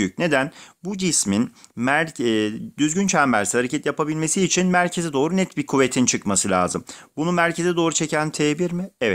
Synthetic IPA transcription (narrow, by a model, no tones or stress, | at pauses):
yc̚ne̞d̪ænbud͡ʒisminmæ | d̪yzɟynt͡ʃʰamæɾshaɾecʰɛt̪japʰabilʲme̞siːt͡ʃʰinmæɾcʰe̞zɛd̪o̞ːɾunɛt̪bikʰuve̞t̪ʰint͡ʃʰɯkmasɯlʲa̰ːzɯmbunumæɾcʰe̞zɛd̪o̞ːɾut͡ʃʰe̞cʰænt̪ʰebiɾmɪɛvɛt̪